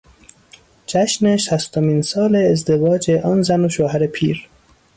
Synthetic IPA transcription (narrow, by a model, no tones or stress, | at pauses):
d͡ʒæʃneʃæst̪ominsɒːleːzd̪evɒːd͡ʒeʔɒːnzænoʃoːɦæɾepʰḭːɾ